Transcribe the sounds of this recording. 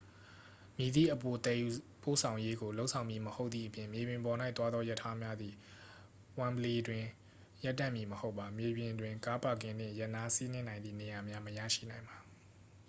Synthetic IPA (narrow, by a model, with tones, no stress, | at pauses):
mji˨d̪ḭ˦˨ʔəpo˨t̪ɛ˨ju˨po̰˦˨sʰã˨ʊ̃je˦ɡo˨lo˦ʔsʰã˨ʊ̃mji˨məho˦ʊt̪t̪ðḭ˦˨ʔəpjɪ̃˨mje˨bjɪ̃˨mbɔ˨na˦ɪt̪wa˦d̪ðɔ˦jɛ˦˨tʰa˦mja˦d̪ði˨ | wã˨mbəle˨dwɪ̃˨ | ja˦˨tːã̰˦˨mji˨məho˦ʊpːa˨mje˨bjɪ̃˨dwɪ̃˨ka˦pa˨ɡɪ̃˦˨nd̥ɪ̰̃˦˨jə˦ʔna˦si˦nɪ̃˦nã˨ɪnd̪ðḭ˦˨ne˨ja˨mja˦məjä̰˦˨ʃḭ˦˨nã˨ɪ̃mba˨